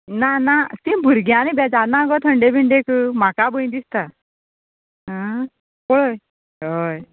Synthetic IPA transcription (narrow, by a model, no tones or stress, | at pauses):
nanasibʱuɾɡjãñibɛd͡zanãɡɔt̪ʰəɳɖebʱiɳɖekəmakabəj̃d̪ist̪a | ə | koɭəj | ɦəj